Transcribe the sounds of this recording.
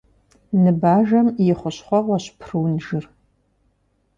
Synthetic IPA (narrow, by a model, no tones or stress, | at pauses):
nɨbaːʒɐmjɪχʷʊɕχʷɔʁʷɐɕpʰrɨwnʒɨr